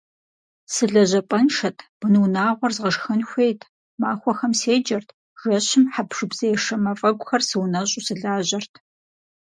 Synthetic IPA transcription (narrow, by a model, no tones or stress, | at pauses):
sɨɮɐʑɐpʼɐnʂɐtʰb̥ɨnɨwnaːʁʷɔrzʁɐʂxɐnxʷeːjtʰ | maːxʷɔxɐmseːd͡ʒɐrtʰ | ʒɐɕɪmħapʂɨbz̥ɐjɛʂɐmɐfʼɐɡʷʊxɐrsɨwnɐɕʼʊsɨɮaːʑɐrtʰ